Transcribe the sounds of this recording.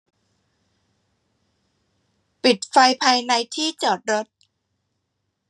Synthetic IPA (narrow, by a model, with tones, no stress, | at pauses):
pi˨˩t̪̚fa˧jpʰaː˧jna˧jt̪ʰiː˥˩t͡ɕɔː˨˩t̪̚ɾo˦˥t̪̚